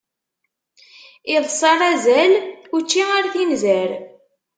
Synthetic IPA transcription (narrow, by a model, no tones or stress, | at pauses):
iðˤsˤɑɾˤæzælut͡ʃːiaɾθinzæɾ